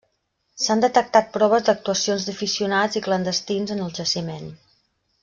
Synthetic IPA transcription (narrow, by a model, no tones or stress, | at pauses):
sand̪ət̪ək̚t̪at̪̚pɾɔβ̞əzd̪ək̚t̪uəsionzðəfisiunad͡ziklənd̪əst̪inzənəlˠʒəsimen